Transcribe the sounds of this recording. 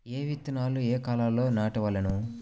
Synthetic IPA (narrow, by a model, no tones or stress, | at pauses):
eːʋit̪ːinaːlueːkaːlaːlo̞ːnaːʈɐʋɐlɐnu